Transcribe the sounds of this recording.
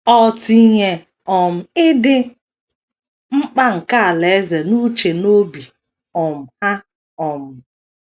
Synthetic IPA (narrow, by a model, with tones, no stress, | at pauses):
ɔ˨ti˨ɲe˨ | ɔ˨m̩˨ɪ˦dɪ˦ | ŋ͡m̩˦k͡pa˦ŋ̩˨ka˦a˨le˨˦ze˨nu˦t͡ʃe˨no˦bi˨ | ɔ˨m̩˨ha˦ | ɔ˨m̩˨